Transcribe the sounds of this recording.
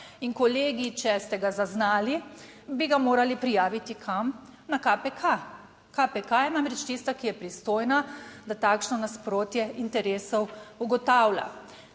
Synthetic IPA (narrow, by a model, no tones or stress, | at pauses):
inkɔleːɡit͡ʃɛst̪ɛɡazaznaːlibiɡamoːɾalipɾijaːʋit̪ikʰam | nakapɛkʰa | kapɛkajɛnamɾɛt͡ʃt̪iːst̪akijɛpɾist̪oːjnad̪at̪aːkʃnɔnaspɾoːt̪jɛint̪ɛɾeːsɔwuɡɔt̪aːwlʲa̰